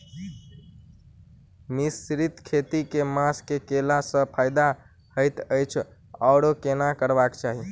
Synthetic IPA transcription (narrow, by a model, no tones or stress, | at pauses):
misɾit̪kʰet̪ikemaskekelasə̃pʰajd̪a | həɪt̪əjt͡ʃʰ | ɔːɽokenakəɾbakt͡ʃaɦi